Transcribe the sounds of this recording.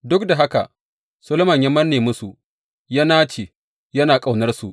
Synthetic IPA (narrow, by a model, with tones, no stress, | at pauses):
dʊ˦k̚da˨ɦa˦ka˨ | sʊ˦lʊ˦mɐ˨ɲja˦mɐ˦nːeː˨mʊ˦su˨ | ja˦naː˦t͡ʃeː˨ | jɐ˦naː˨kʼa˨wnɐ˦rsu˨ʔ